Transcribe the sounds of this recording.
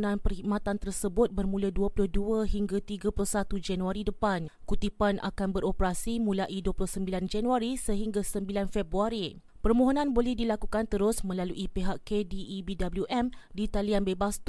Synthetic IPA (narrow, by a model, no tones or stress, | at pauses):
nãnpərhikmãt̪ant̪ərsəbʊt̪̚bərmũladuapulʊhduaɦiŋɡat̪iɡapulʊhsat̪ud͡ʒanuaɾidəpankut̪ipanʔa̰kanbəɾopəɾasimũlaʔiduapulʊhsəmbiland͡ʒanuaɾisəɦiŋɡasəmbilanfɛbɾuaɾi | pərmõɦonãnbolɛhdilakukant̪əɾʊsmə̃laluʔipeɦaʔkediʔːbidabəljuʔɛmdit̪alianbebast̪